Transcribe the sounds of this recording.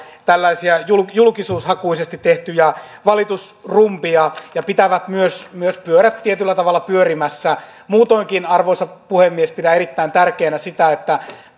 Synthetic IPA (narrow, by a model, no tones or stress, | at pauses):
t̪ælːæisiæjuljulkisuːshɑkuisest̪it̪ːeht̪yjɑ | ʋɑlit̪usrumpiɑjɑpit̪æʋæt̪myøsmyøspyøɾæt̪t̪iet̪ylːæt̪ɑʋɑlːɑpyørimæsːæ | muːt̪oiŋkinɑrʋoisɑpuhemːiespidæerit̪ːæint̪ærkeːnæsit̪æet̪ːæ